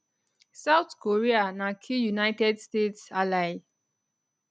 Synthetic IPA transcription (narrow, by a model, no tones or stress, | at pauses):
sawt̪koɹianakʰijunajtɛdstetsalaj